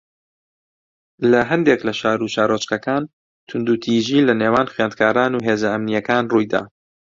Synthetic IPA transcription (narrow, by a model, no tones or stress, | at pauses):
lɐɦɐnd̪eklɐʃaːɾuʃaːɾot͡ʃkɐkaːn | t̪ʰʊnd̪ut̪ʰiʒiːlɐnewaːnxɥaːnd̪̚kʰaːɾaːnuːɦeːzɐɐmnijɐkaːnrujd̪a̰ː